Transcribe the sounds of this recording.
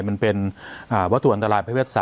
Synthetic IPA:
jma˧npe˧nʔaː˨˩wa˦˥t̪ʰu˨ʔa˧nt̪a˧laː˧jpʰa˥piː˥˩t̪̚saː˨

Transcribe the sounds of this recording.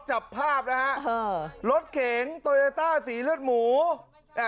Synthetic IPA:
t͡ɕa˨˩pʰːaː˥˩p̚na˦ɦa˦˥ʔlo˦˥t̪̚kʰe˨˩˦ŋt̪o˧le˧t̪aː˥˩siː˩˦lɯ˥˩ət̪̚muː˩˦˧

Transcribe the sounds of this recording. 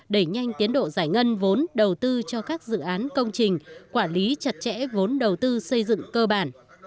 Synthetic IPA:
ɗe˧˩ɲa˧jŋ̟t̪i˨˦ənɗo̰˧˨zaː˧˩jŋə˧nvo˨˦nɗə˨˩wt̪ɨ˧t͡ɕɔ˧kaː˦˥k̚zɨ̰˧˨ʔaː˨˦nkə˧wŋ͡mt͡ɕï˨˩ŋ̟kwaː˧˩nli˨˦t͡ɕə˨˩t̚t͡ɕɛ̰˧˥vo˨˦nɗə˨˩wt̪ɨ˧sə˧jzɨ̰˧˨ŋkəː˧ɓaː˧˩n

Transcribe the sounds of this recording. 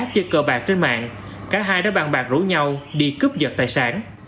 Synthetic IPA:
t̚t͡ɕə˧kəː˧˩ɓaː˨˩k̚t͡ɕe˧nma̰ː˧˨ŋ | kaː˨˦˥ɦaː˧jɗaː˧˥ɓa˧˩ŋɓaː˨˩k̚zṵ˧˩˦ɲa˧wɗi˧kɨ˦˥p̚zə˨˩t̚t̪aː˧˨jsaː˨˦n

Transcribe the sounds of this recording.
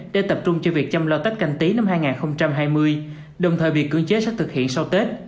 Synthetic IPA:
ɗḛ˧˥t̪ə˨˩p̚t͡ɕʊ˧ŋ͡mt͡ɕɔ˧vi˨˩ək̚t͡ɕɔ˧wmlɔː˧t̪a˦˥t̚ka˧˩ŋ̟t̪i˨˦na˧mɦaː˧jŋaː˨˩nxə˧wŋ͡mt͡ɕa˧mɦaː˧jmɨ˧əj | ɗə˨˩wŋ͡mt̪ʰəː˨˩jvi˨˩əkːɨ̰˧˩əŋt͡ɕe˨˦sɛ̰˧˥t̪ʰɨ˨˩k̚hḭ˧˨nsa˧wt̪e˦˥t̚

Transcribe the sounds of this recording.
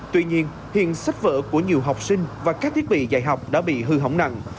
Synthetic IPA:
t̪wi˧ɲi˧ən | hḭ˧˨ənsa˦˥jt̚və̰ː˧˨ku˧˩əɲi˨˩əwɦa˨˩wk͡p̚sï˧ŋ̟vaː˨˩kaː˦˥k̚t̪ʰi˦˥ət̚ɓḭ˧˨zaː˧˩jɦa˨˩wk͡p̚ɗa̰ː˧˥ɓḭ˧˨ɦɨ˧ɦə˧˩˦wŋ͡mna̰˧˨ŋ

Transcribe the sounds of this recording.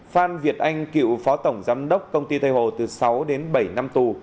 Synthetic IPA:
faː˧nvi˨˩ət̚ʔa˧jŋ̟kḭ˧˨wfɔ˨˦t̪ə˧˩wŋ͡mzaː˨˦mɗə˦˥wk͡p̚kə˧wŋ͡mt̪i˧t̪ʰa˧jho˧˨˩t̪ɨ˨˩sa˨˦wɗe˨˦nɓə˧˩jna˧mt̪u˨˩

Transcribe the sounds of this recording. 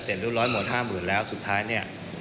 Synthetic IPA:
seː˨˩n̚ɾuː˥˩ɾɔː˦˥jmo˨˩t̪̚haː˥˩mɯː˨˩nlɛː˦˥wsu˨˩t̪ʰːaː˦˥jni˥˩ɐ

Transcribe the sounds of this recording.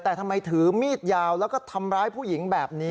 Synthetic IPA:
t̪ɛː˨˩t̪ʰa˧mːa˧jt̪ʰɯː˩˦miː˥˩t̪̚jaː˧wlɛː˦˥wkɔː˥˩t̪ʰa˧mɾaː˦˥jpʰuː˥˩ji˩˦ŋbɛː˨˩p̚ni˦˥

